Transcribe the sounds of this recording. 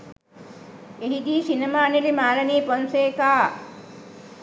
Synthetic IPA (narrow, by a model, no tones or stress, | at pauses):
eɦid̪iːsinɐmaːnilimaːlɐniːponseːkaː